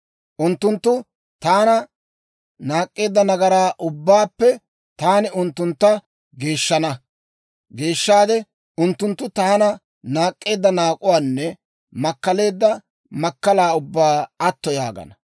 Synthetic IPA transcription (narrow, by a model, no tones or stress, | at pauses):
ʔʊnt̪ːʊnt̪ːʊ | t̪aːnɐ | naːkʼːe̞ːd̪ːɐnɐɡɐɾaːʔʊbːaːpːɛ | t̪aːnɪʊnt̪ːʊnt̪ːɐ | ɡe̞ːʃːɐnɐ | ɡe̞ːʃːaːd̪ɛ | ʊnt̪ːʊnt̪ːʊt̪ɐɐnɐ | naːkʼːe̞ːd̪ːɐnaːkʼʊwaːnːɛ | mɐkːɐle̞ːd̪ːɐ | mɐkːɐlaːʊbːaːɐt̪ːɔja̰ːɡɐ̰nɐ